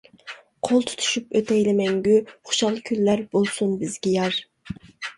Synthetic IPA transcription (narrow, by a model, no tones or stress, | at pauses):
qʰolˠt̪ʰu̥t̪ʰu̥ʃypøt̪ɛjlɪmɛŋɡʲyχʊ̥ʃɑlˠkʲʰylːæɾbolˠsunbɪzɡʲɛjɑɾ